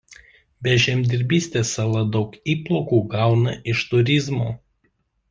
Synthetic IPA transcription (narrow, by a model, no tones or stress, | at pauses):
bʲɛʒʲɛmʲd̪ʲɪɾʲbʲiːsʲt̪ʲeːsɑlˠɐd̪ɒʊkiːplˠɔkuːɡɑˑʊnɐʔɪʃt̪ʊɾʲɪzmoː